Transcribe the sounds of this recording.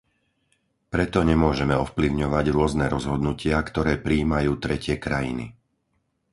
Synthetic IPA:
pɾɛt̪ɔɲɛmʊɔʒɛmɛɔfpliʊɲɔʋaɟɾʊɔznɛɾɔzɦɔd̪nucɪakt̪ɔɾɛːpɾiːmajuːt̪ɾɛcɪɛkɾajḭnḭ

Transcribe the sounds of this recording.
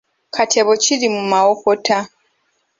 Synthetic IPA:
kʰatʰɛβɔt͡ʃilimumaɔpɔtʰa

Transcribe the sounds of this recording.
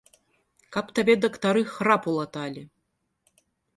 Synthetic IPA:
kapt̪abʲɛd̪ɐkt̪aɾɨxɾapulˠat̪alʲi

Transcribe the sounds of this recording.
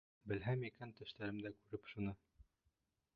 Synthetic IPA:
bɘ̆lɦæmikænt̪ɘ̆ʃt̪æɾɘmd̪ækʉɾɘpʃunɤ

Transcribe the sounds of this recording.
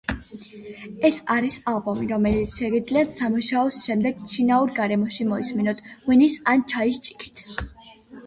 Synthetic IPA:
ɛsaɾisalˠbɔmiɾɔmɛlit̪sʰʃɛɡid̪zliat̪ʰsamuʃaɔsʃɛmd̪ɛɡ̥t͡ʃʰinauɾɡaɾɛmɔʃimɔisminɔt̪ʰwinisant͡ʃʰaist͡ʃʼi̥kʰi̥t̪ʰ

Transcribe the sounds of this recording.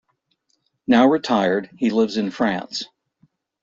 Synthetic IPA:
naʊɹɨtʰaɪə˞d̚hilɪvzɨ̃nfɹæ̰̃ns

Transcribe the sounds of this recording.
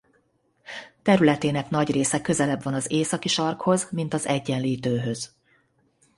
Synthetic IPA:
t̪ɛɾylɛt̪eːnɛkn̪ɒɟreːsɛkø̞zɛlɛbvɒnɒzeːsɒkiʃɒrkho̞zmin̪t̪ɒzɛɟːɛnliːt̪øːɦø̞z̥

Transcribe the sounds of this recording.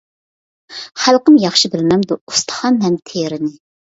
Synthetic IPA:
χælˠqəmjɑχʃibɪlmɛmd̪uust̪ʰə̥χɑnɦɛmt̪ʰeɾɪnɪ

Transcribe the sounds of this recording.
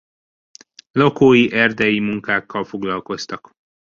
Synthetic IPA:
lo̞koːjiʔɛrd̪ɛjimuŋkaːkːɒlfo̞ɡlɒlko̞st̪ɒk

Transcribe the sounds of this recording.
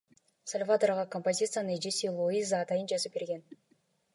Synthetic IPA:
sɐlʲvat̪oɾʁɑkompozʲit̪sɨjanɯd͡ʒesʲilˠoizaːt̪ɑjɯnd͡ʒɑzɯp̚be̞ɾɡʲe̞n

